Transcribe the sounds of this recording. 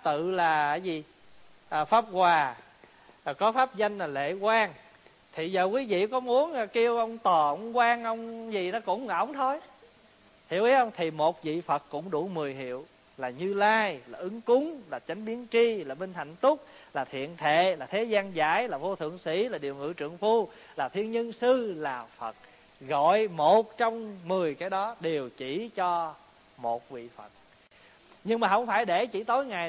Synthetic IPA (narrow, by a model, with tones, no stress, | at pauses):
t̪ɨ̰˧˨laː˨˩˨jzi˨˩ | ʔəː˨˩faː˦˥p̚kwaː˨˩˨ | kɔ˨˦faː˦˥p̚za˧jŋ̟laː˨˩lḛ˧˨kwaː˧ŋ | t̪ʰi˨˩zəː˨˩kwi˨˦vḭ˧˨kɔ˨˦mu˨˦ənː˨ki˧əwʔə˧wŋ͡mt̪ɔː˨˩ə˧ŋ͡mkwaː˧ŋʔə˧wŋ͡mzi˨˩nɔ˨˦kʊ̰˧˥wŋ͡mʔə̰˧˩wŋ͡mt̪ʰo˧j | hḭ˨˧˩əwʔi˨˦˥hə˧wŋ͡mt̪ʰi˨˩mo˨˩t̚zḭ˧˨fə˨˩t̚kʊ̰˧˥ŋ͡mɗu˧˩mɨ˨˩əjɦḭ˧˨əw | laː˨˩ɲɨ˧laː˧jlaː˨˩ʔɨ˨˦ŋkʊ˨˦ŋ͡mlaː˨˩t͡ɕa˨˦jŋ̟ɓi˨˦ənt͡ɕi˧laː˨˩ɓi˧nt̪ʰa̰˧˨jŋ̟t̪ʊ˦˥k͡p̚laː˨˩t̪ʰḭ˧˨ənt̪ʰḛ˧˨laː˨˩t̪ʰe˨˦zaː˧nza̰ː˧˥jlaː˨˩vo˧t̪ʰɨ̰˧˨əŋsḭ˧˥laː˨˩ɗi˨˩əwŋɨ̰˧˥t͡ɕɨ˧˨əŋfu˧ | laː˨˩t̪ʰi˧ənɲə˧nsɨ˧laː˨˩fə˨˩t̚ | ɣɔ̰˧˨jmo˨˩t̚t͡ɕɔ˧wŋ͡mmɨ˨˩əjkaː˨˦jɗɔ˨˦ɗe˨˩wt͡ɕi˧˥t͡ɕɔ˧ | mo˨˩t̚vḭ˧˨fə˨˩t̚ | ɲɨ˧ŋmaː˨˩ɦə˧wŋ͡mfaː˧˩jɗe˧˩t͡ɕi˧˩t̪o˨˦jŋa˨˩j